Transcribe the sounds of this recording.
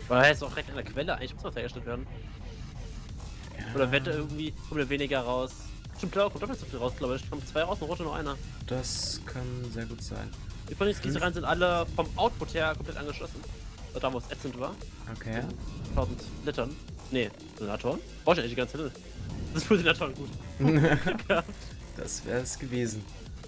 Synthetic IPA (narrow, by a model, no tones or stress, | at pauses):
vaɪahaɪstsɔʊd̥iʁɛk̚tandeɐkʰv̥ɛləaɪŋlɪçmʊsmnheɐɡəʃtɛltv̥eːɐdn̩ | oːɾɐveːɐddaːʔɪɐɡŋ̩tv̥iːkʰɔmtd̥aveːnɪɡɐʁaʊs | ʃtɪmt̚l̥akʰɔmtd̥ɔfnɪçtz̥ofiːlʁaʊsɡ̥laʊbəɛkʰɔmt͡sv̥aɪʁaʊsnʁoːtənʊːʔa̰ɪnɐ | d̥askʰanzeːɐɡuːtz̥a̰ɪn | d̥iːfɔɪsɡ̥itəʁaɪnzɪntʔaləfɔmʔaʊt̚pʰʊtheːɐkʰɔmpʰlɛtʔa̰nɡəʃlɔsn̩adaːvoːsʔɛtsəntva̰ːɐ | ʔokʰefʰaʊzn̩tb̥lɪtɐnne | zina̰tʰoːɐn̥ʁaʊɪç̬aɪŋçdiɡant͡sɛlɛnə̥ | sɪsfɔzinaːtʰoɔɐnɡuːtaɡ̥a | d̥a̰sv̥ɛ̰ːʁɛsɡ̥əveːzn̩